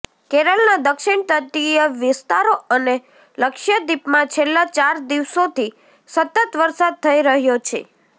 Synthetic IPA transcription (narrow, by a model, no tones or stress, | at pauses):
kɛɾəlnad̪əkʃɪɳt̪ət̪ijəʋɪst̪aɾoəne | ləkʃjəd̪ipmãt͡ʃʰelːat͡ʃaɾd̪iʋsot̪ʰi | sət̪ət̪ʋəɾsad̪̚t̪ʰəiɾəɦjot͡ʃʰḛ